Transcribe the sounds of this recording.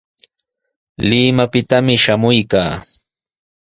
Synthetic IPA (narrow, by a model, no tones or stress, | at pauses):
lɪmapɪt̪amɪʃamʊjkaː